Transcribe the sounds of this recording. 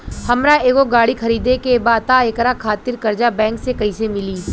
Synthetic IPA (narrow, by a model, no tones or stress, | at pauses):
hɐmɾaeːɡoɡaːɽikʰɐɾiːd̪ekebaːt̪aekɾakʰaːt̪ɪɾkɐɾd͡ʒabɛ̃ːŋksekɐisemɪliː